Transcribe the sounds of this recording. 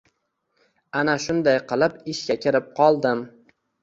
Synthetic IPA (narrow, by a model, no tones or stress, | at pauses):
anaʃʊnd̪ajqɨlˠɪpɪʃɡʲakʲʰɪɾɪp̚qʰɒlˠd̪ɪm